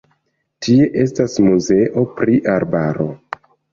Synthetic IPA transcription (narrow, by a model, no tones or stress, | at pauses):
tie̞ʔe̞stasmuze̞ʔo̞pɾiʔaɾbaɾo̞